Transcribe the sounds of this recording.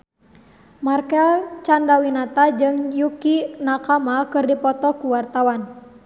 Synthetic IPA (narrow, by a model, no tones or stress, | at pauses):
markɛlt͡ʃandawinat̪ad͡ʒɨŋjukinakamakɨrdipɔt̪ɔkuwart̪awan